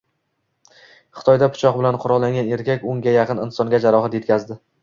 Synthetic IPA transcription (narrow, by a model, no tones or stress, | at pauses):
χɨ̥t̪ʰɒjd̪apʰʊ̥t͡ʃʰɒqbɪlanqʰʊɾɒlˠːaŋɡʲane̞ɾkʲakʲʊŋɡʲajaqʰɨnɪnsɒŋɡʲad͡ʒaɾɒhat̪je̞t̪kʲazd̪ɪ